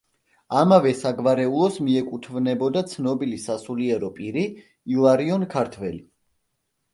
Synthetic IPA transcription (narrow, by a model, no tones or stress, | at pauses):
amavɛsaɡvaɾɛulˠɔsmiɛkʼut̪ʰvnɛbɔd̪at̪sʰnɔbilisasuliɛɾɔpʼiɾiː | lˠaɾiɔnkʰaɾt̪ʰvɛli